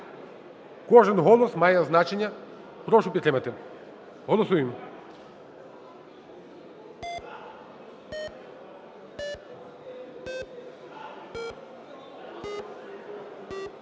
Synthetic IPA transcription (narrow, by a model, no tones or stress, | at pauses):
kɔʒɛnɦɔlˠɔsmajaznat͡ʃeɲa | pɾɔʃupit̪ɾɛmat̪ɛ | ɦɔlˠɔsuim